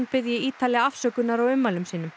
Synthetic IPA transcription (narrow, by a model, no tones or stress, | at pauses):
npɪðjɪiːt̪ʰaliaafsœːkʏnaɾawʏmːalʏmsiːnʏm